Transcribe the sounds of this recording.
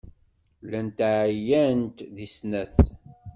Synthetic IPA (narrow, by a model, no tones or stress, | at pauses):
lænt̪aʕjænt̪ðisnæθ